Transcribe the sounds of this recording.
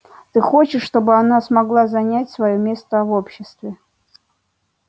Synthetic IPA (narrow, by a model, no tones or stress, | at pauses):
t̪ɨxot͡ɕɪʂːt̪o̞bɨanasmɐɡlˠazɐnʲætʲsvɐjomʲe̞st̪əvopɕːɪst̪vʲɪ